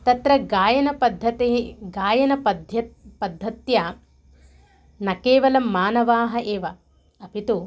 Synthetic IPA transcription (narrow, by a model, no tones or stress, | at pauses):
t̪ɐt̪ɾɐɡaːjɐnɐpɐd̪ʱːɐt̪eɡaːjɐnɐɐd̪ʱɐpɐd̪ʱːɐt̪jɐ | nɐkeːʋɐlɐmːaːnɐʋaːɦɐʔeːʋɐ | ɐpit̪u